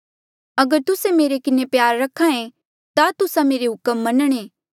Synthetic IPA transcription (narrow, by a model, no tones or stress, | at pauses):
ɐɡəɾt̪ʊsẽmeːɾekɪnepjaːɾːɐkʰãẽ | t̪at̪ʊsãmeːɾeɦʊkəmːɐnəɽ̃eː